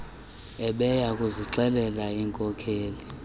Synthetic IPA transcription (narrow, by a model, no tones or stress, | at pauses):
ɛɓɛjakʼuziǁɛlɛlaiːŋkʼɔkʰeːli